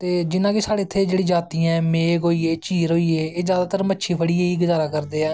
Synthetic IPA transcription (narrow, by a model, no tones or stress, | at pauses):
t̪eːd͡ʒɪnãːkɪsaːɽeːt̪ʰːeːd͡ʒeːɽiːd͡ʒaːt̪ĩːɛ̃ːmeːɡoːiːeːt͡ʃiːɾoːiːeːeːzjaːd̪aːt̪əɾmətːʃʰiːpʰəɽiːeːiːɡəzaːɾaːkəɾd̪eːaː